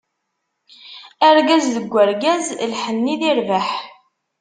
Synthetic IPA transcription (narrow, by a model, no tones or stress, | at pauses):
æɾɡæzðəɡʷːəɾɡæzlħənːiðiɾvaħ